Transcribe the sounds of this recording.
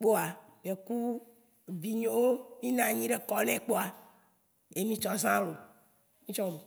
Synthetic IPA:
k͡po˦a˨be˨ku˦ | vi˨ɲe˦wo˦mĩ˦nã˨ɲĩ˦ɖe˨kɔ˦nɛ̃˨k͡po˦a˨ | e˦mĩ˦t͡ʃɔ̃˦˨sã˦lo˨ | mĩ˦t͡ʃɔ̃˦mẽ˨

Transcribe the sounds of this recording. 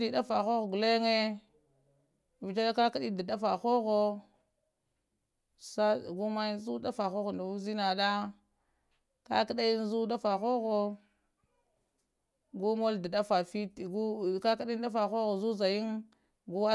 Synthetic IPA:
di˨da˦fa˨xo˦ɣo˨ɡu˨le˦ŋe˦˨ | vi˨ta˦a˦ka˦ka˦ɗi˦da˨da˦fa˨xo˦ɣo˦ | sa˦˨ɡu˦ma˦ji˦nzu˦da˦fa˨xo˦ɣo˨nda˨wu˦zi˦na˨da˦ | ka̰˦ka˦ɗa˦ji˦n˦zu˦da˦fa˨xo˦ɣo˦ | ɡu˦mo˦lda˨da˦fa˨fi˦tɡu˦˨ka˦ka˦ɗn˦da˦fa˨xo˦ɣo˨zu˦za˨ji˦ŋ | ɡu˦a˦

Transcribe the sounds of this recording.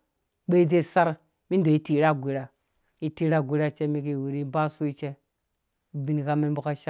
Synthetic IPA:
ɓe˦i˦d͡ze˦˨sa˦ɾ | mi˦n˦do˨i˦ti˨˦ɾa˦˨ɡʷi˨ɾa˨ | ji˦ti˦ɾa˦ɡʷi˨˦ɾa˦t͡ʃe˦mi˦ki˨wu˨ɾi˦ba˦su˦i˦t͡ʃe˦˨ | bi˨˦n˨ka˦me˦n˦bu˦ka˦ʃa˦

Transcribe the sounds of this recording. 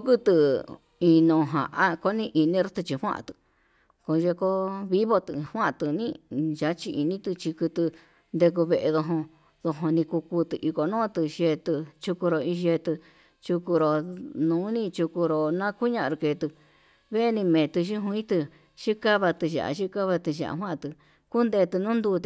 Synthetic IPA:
u˧ku˦t̪ɨ˧ | ĩ˧nõ˨ɦã̰˨ʔa˦ko˦nĩ˦ʔi˧nĩ˦ɾu˦t̪ɨ˧t͡ʃi˧hʷw̃ã̰˦ʔã̰˧˨t̪ɨ̥˧ | ko˧ʒe˧ko˦βi˦βo˧t̪ɨ˧˨hwã˦ʔt̪ɨ˨nĩ˦˧ʒa˨˦t͡ʃi˧ʔi˧nĩ˦t̪ɨ˧t͡ʃi˧kɨ˧t̪ɨ˧ | nd̪e˧k̬u˧βe˧ʔe˧ðo˧ɦõ˧ | ðo˧ɦõ˧nĩ˧ku˧ku˧t̪ɨ˧ʔi˧ko˨nõː˦t̪ɨ˧ʃe˧t̪ɨ˧t͡ʃu˧ku˧ɾo˧ĩ˧ʒe˧t̪ɨ˧ | t͡ʃu˧ku˧ɾo˨nũː˨˦nĩ˦t͡ʃu˧ku˧ɾo˧nã˦ku˦ɲã˧ɾu˧ke˨˧˨t̪ɨ˧ | βe˦˧nĩ˧mẽː˨t̪ɨ˧ʃi˦ɦũ˧ĩ˦t̪ɨ˧ | ʃi˦ka˦βa˧t̪ɨ˧ʒa̰˨ʔa̰˨˧ʃi˦ka˦βa˧t̪ɨ˧ʃa̰˨ʔa̰˧ɦwã˦ʔt̪ɨ˧ | ku˦nd̪e˧t̪ɨ˧nũː˦nd̪uː˧t̪

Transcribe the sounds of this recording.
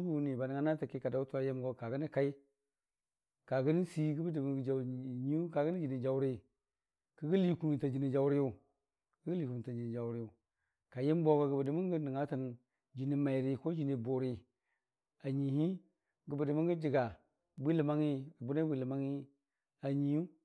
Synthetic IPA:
bu˨˦ni˨ba˨ni˨ŋa˦na˦ta˨ki˦ka˨da˨˦u˦tu˦a˨je˦m˦ɡo˦ka˨ɡə˦ni˦ka˦i˦ | ka˨ɡə˦n˦si˦ɡu˦bə˦di˨mu˨ɡd͡ʒa˨ɲ˦u˦ka˨ɡə˦ni˦d͡ʒi˨ni˨d͡ʒa˨wɾi˦ | kə˦ɡi˦li˨ku˨ta˨d͡ʒi˨ni˨d͡ʒa˨u˦ɾi˦ju˦˨ | kə˦ɡi˦li˨ku˨u˨ta˨d͡ʒi˨ni˨d͡ʒa˨u˦ɾi˦u˨ | ka˨je˦m˦bo˦ɡo˨ɡə˨ba˨di˨mu˦ŋɡə˦ni˨ŋa˦ta˨n˨ | d͡ʒi˨ni˨ma˨i˨ɾi˨ko˦d͡ʒi˨ni˨bo˨ɾi˨ | a˨ɲi˨hi˦ | ɡə˨bə˨di˨mu˦ŋɡi˦d͡ʒi˨ɡa˨ | bi˦li˨ma˦ŋi˦a˨bu˦na˦bʷi˨li˨ma˦ŋi˦ | a˨ɲi˨ju˦

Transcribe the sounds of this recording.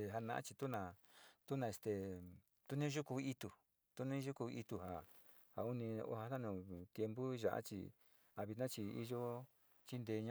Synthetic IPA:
e˧ɦa˧nã̰˧ʔã̰˦t͡ʃi˧t̪u˦nã˧˨t̪u˦nã˧e˧st̪e˧ | t̪u˦nĩ˦ʒu˦ku˧i˦t̪u˧ | t̪u˦nĩ˦ʒu˦ku˧i˧t̪u˧ha˨ | ha˨u˦nĩ˧o̰˦ha˧t̪a˦nũ˧˨t̪je˧mbu˦ʒa̰˧ʔa̰˦t͡ʃḭ˧ | a˧βi˧t̪nã˦t͡ʃi˧i˧ʒo˦ | t͡ʃi˦nd̪e˧ɲã˦

